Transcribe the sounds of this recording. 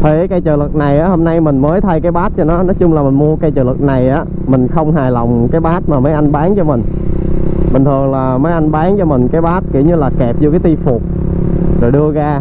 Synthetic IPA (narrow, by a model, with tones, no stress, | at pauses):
t̪ʰe˨˦kaː˧˦jt͡ɕəː˨˩lɨ˨˩k̚na˨˩jʔaː˨˦ho˧mna˧jmï˨˩ŋ̟məː˨˦jt̪ʰa˧jkaː˨˦jɓaː˦˥t̚t͡ɕɔ˧nɔ˨˦nɔ˨˦t͡ɕʊ˧ŋ͡mlaː˨˩mï˨˩ŋmu˧əkaː˧˦jt͡ɕəː˨˩lɨ̰˨˩k̚na˨˩jʔaː˨˦ | mï˨˩ŋ̟xə˧wŋ͡mɦaː˨˩jlə˨˩wŋ͡mkaː˨˦jɓaː˦˥t̚maː˨˩məː˨˦jʔa˧nɓaː˨˦nt͡ɕɔ˧mï˨˩ŋ̟ | ɓï˨˩ŋ̟t̪ʰɨ˨˩əŋlaː˨˩məː˨˦jʔa˧nɓaː˨˦nŋt͡ɕɔ˧mï˨˩ŋ̟kaː˨˦jɓaː˦˥t̚kḭ˧˩əwɲɨ˧laː˨˩kɛ˨˩p̚zu˧˩kaː˨˦t̪i˧fʊ˨˩k͡p̚ | zo˨˩jɗɨ˧əɣaː˧